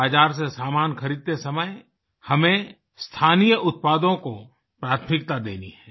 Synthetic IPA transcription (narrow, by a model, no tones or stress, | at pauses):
aːd͡ʒaːɾs̬esaːmaːnkɐɾiːd̪̚t̪esɐməj | hɐmẽ | st̪ʰaːnijəʔʊt̪̚paːd̪õko | pɾaːt̪ʰmɪkt̪ad̪ḛːniɦɛː